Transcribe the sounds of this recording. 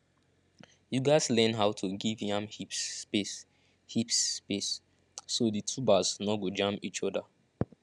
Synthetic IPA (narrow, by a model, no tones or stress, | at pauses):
juɡaɪslɛ̃nɦawtʰuɡivjãmhipes | hipspesː | oditʰubasnɔɡod͡ʒãmpit͡ʃɔda